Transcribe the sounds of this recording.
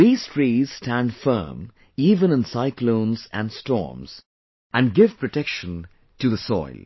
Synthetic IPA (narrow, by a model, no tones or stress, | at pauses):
ðiz̥tʰɹ̥iz̥stæ̃ndfɜ̰˞m | ivə̃nə̃nsaɪklõʊ̃nzæ̰̃nstɔ̰ɹmz̥ | ʔɨ̃nɡɪv̥pʰɹ̥ɨtʰɛkʃə̃n | tʰɨðəsɔ̰ɪlˠ